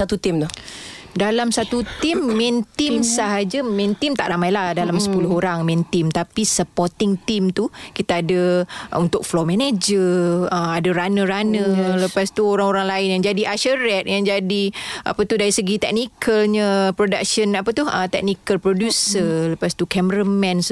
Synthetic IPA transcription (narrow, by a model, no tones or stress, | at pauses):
sat̪ut̪imt̪ʊ | dalamsat̪ut̪imːɛnt̪imsaɦad͡ʒəmɛ̃nt̪imt̪aʔramajlahdalamsə̥pulʊɦoɾaŋmɛnt̪imt̪apisəpɔrt̪ɪŋt̪imt̪ukit̪aadəunt̪ʊk̚flomɛned͡ʒəəmadəɾanə̃ɾanə̃ləpast̪uoɾaŋoɾaŋlaɪnjaŋd͡ʒadiʔaʃəɾɛt̪̚jaŋd͡ʒadiʔa̰pət̪udaɾisəɡit̪ɛk̚nikʰəlɲəpɾodak̚ʃənapət̪uhət̪ɛk̚nikəlpɾodjusələpast̪ukɛməɾəmɛ̃ns